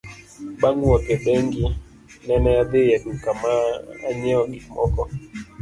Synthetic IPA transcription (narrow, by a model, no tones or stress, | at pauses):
ɓaŋɡuwakɛɓɛŋɡi | nɛnɛjaðejakukamaːa̰ɲɛɔɡimɔ̰kɔ